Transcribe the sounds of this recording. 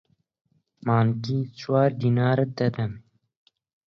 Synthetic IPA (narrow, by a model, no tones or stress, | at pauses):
maːnkiːt͡ʃʰwɑːɾd̪iːnɑːɾəd̪ɛd̪ɛm